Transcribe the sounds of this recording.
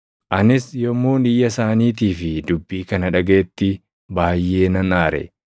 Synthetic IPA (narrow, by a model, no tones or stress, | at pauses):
ʔɐnɪsjɔmːuːnɪjːɐsaːniːt̪̬iːfɪd̪ʊbːiːkɐnɐᶑɐɡeːt̪ːɪ | baːjːe̞ːnɐnaːɾɛ̰